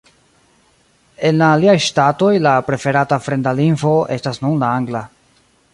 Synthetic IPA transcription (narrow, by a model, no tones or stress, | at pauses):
e̞nlaːliajʃtato̞jlapɾe̞fe̞ɾatafɾe̞ndalinfo̞e̞stasnunlaaŋɡla